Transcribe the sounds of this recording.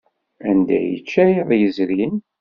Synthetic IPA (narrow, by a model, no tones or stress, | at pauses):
ænd̪æ̰jə̰t͡ʃːæjðˤjəzɾin